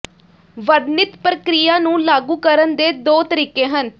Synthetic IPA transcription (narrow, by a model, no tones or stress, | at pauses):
ʋəɽnɪt̪pɾəkɾijaːnũːlaːɡuːkəɾənd̪eːd̪oːt̪əɾiːkẽːɦən